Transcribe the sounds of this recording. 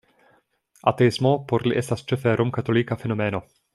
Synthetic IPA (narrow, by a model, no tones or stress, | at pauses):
ʔat̪ɛɪzmopoɾlḭʔɛsast͡ʃɛfɛːɾʔomkat̪olikafɛnomɛːno